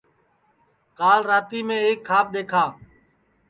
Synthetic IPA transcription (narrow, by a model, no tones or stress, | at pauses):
kaːlɾaːt̪iːmẽːeːkʰːaːp̚ɗ̪eːkʰaː